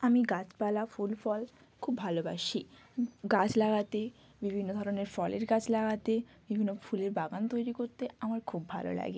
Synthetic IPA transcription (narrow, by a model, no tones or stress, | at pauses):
amiɡat͡ɕpalafulfɔl | kʰubːʱaloba̰ʃi | ɡat͡ɕʰlaɡat̪e | bibʱinːod̪ʱɔɾoneɾfɔleɾɡat͡ɕʰlaɡat̪ebibʱinːofuleɾbaɡant̪ojɾikoɾt̪eamaɾkʰubːʱa̰lo̰la̰ɡi